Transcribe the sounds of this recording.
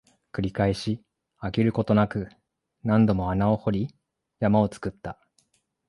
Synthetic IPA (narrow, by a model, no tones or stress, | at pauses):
kɯ̟ɾʲikaeɕi | akʲiɾɯ̟ko̞t̪o̞nakɯ̟ | nãnd̪o̞moanao̞ho̞ɾʲi | jamao̞t͡sɨ̥kɯ̟t̪ːa